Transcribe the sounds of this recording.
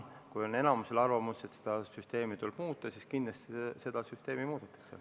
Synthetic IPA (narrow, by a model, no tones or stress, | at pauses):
kujone̞nɑmuse̞lɑrvɑmuset̪se̥d̪̥ɑsyst̪e̞ːmit̪ulb̥muːt̪ːˑɑsiskind̪lest̪ese̞d̪̥ɑsyst̪e̞ːmimuːd̪̥ɑt̪ːˑɑ̥ksel